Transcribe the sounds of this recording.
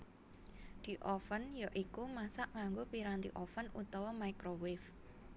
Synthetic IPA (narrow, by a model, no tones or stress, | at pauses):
d̪̥i̤ʔɔfənjɔʔikumasaʔŋaŋɡopiɾant̪ḭʔɔfənut̪ɔwɔmaikɾowɪf